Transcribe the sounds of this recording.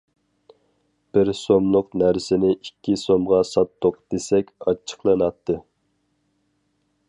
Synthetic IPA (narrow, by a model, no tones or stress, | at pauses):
b̥ɪɾsomlˠʊqnæɾsɪnɪʔikʲːisomʁɑsɑt̪ʰːoqd̪̥esɛkʲɑt͡ʃʰːə̥qlˠɨnɑt̪ʰːɨ